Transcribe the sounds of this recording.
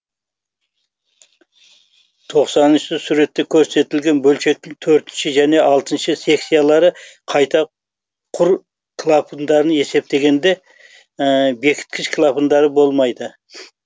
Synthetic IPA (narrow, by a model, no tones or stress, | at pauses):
t̪ʰo̞qsɑnənʃsɪsuɾe̞t̪ːe̞kʲʰɵɾse̞t̪ɪlɡʲe̞nbɵlʃe̞k̚t̪ːɪŋt̪ʰɵɾt̪ɪnʃɪʒæne̞ʔɑlˠt̪ənʃɪse̞ksʲijalˠɑɾəqʰɑjt̪ɑ | qʰʊɾ | kʰlˠapʰənd̪ɑɾəne̞se̞p̚t̪e̞ɡʲe̞nd̪e̞ | be̞kʲʰɪ̥t̪̚kʲʰɪʃkʰlˠapənd̪ɑɾəbo̞lˠmɑjd̪ə